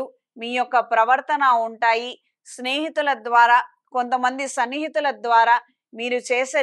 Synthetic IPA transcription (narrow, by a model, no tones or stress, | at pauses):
u | miːjɔkːɐpɾɐʋɐɾt̪ɐnauɳʈaːji | sneːɦit̪ulɐd̪ʋaːɾaː | ko̞nt̪ɐmɐnd̪isɐnːiːɦit̪ulɐd̪ʋaːɾaː | miːɾut͡ʃeːsɐ